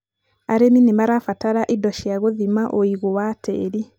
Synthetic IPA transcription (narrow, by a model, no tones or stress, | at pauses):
aɾeminemaɾafataɾaʔidɔʃiaɣoðimaʔoiɣowatʰɛ̰ːɾi